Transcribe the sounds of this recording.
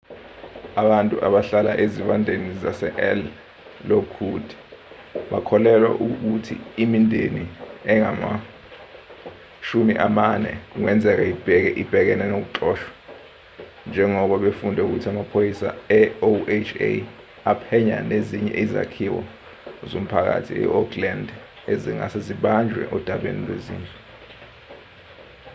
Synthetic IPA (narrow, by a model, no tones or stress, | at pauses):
aɓantʼuʔaɓaɬala̰ʔeziɓandʱenizasɛʔɛl | lokʰud̥ʱi̥ | ɓakʰɔlɛlwa̰ʔuk̬utʰḭimindʱeniɛŋama̰ | ʃumiʔamanɛ̰k̬uŋɛnd͡zʱɛk̬aib̥ʱɛk̬ɛʔib̥ʱɛk̬ɛnɛnok̬uǁɔːʃwḁ | nd͡ʒʱɛŋɔɓaɓefundʱɛuk̬utʰamapʰojisa̰ɛoet͡ʃʰḛ | apʰɛɲa̰neziɲɛ̰ʔiza̰kʰiwɔ̰ | zom̩pʰak̬a̰tʰḭɛ̰ɔkʰland | eziŋa̰seziɓand͡ʒʱwɛ̰ʔɔd̥ʱaɓḛnilwezḭːnd͡ɮɛ